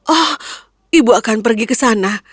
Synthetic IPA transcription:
ʔɔh | ʔibuakanpərɡikəsana

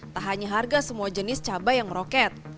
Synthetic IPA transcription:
t̪aɦaɲaɦarɡasəmuad͡ʒənɪst͡ʃabajaŋməɾokɛt̪̚

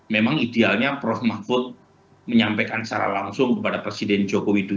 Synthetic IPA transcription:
memaŋidealɲapɾɔfmafʊt̪̚ | məɲampekant͡ʃa̰ɾa̰la̰ŋsʊŋkəpadapɾesidɛnd͡ʒokowidu

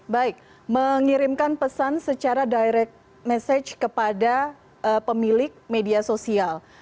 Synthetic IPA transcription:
baɪk̚ | məŋiɾɪmkanpəsansət͡ʃaɾadajɾɛk̚t̪̚ | mɛsad͡ʒkəpada | ʔəpəmilɪk̚mediasosial

